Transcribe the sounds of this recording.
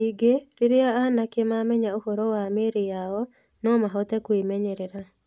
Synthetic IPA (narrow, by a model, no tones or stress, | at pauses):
iɡeɾiɾɪaːnakemamɛɲaohoɾɔwameɾɪjaɔ | nɔmaɦɔt̪ɛkwemɛɲeɾɪɾa